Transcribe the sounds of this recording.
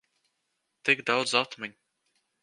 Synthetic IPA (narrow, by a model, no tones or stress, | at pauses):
t̪ikd̪awd̪zat̪mɛɲ